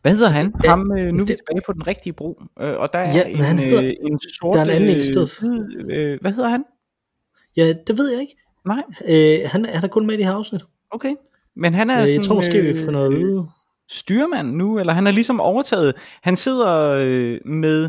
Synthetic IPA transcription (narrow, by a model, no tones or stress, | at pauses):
ʋæhe̝ð̰ˠɐɐɦænhɑ̈mønuʋit͡sʰe̝̥b̥ɛːɪpʰɒ̽d̥enʁeɡ̥̚d̥iəb̥ʁo̝̰ːʔøʔɒ̽d̥ɑ̈æɐɐenenso̝ɐ̥ɑdnæn̩esdeð̰ˠðˠʋæhe̝ð̰ˠɐhæn | jæd̥e̝ʋe̝ð̞̰ˠjɑ̈e̝ɡ̥ | nɑ̈ɪ̰øhænæɐæɾɐkʰɔ̽nmed̥ehæɐɑ̈ʊsnid̥ | oʊkʰeɪ | menɦænæɐjsɒnt͡sʰo̰msɡ̥e̝̰ːʋifɔnɔðˠiðˠ | sd̥yːɐmæn̰ːuelɐɦænæɐlisɒ̽mɒʊɐt͡sʰɛ̰ːð̩ˠhænse̝ð̞̰ˠɐømeðˠ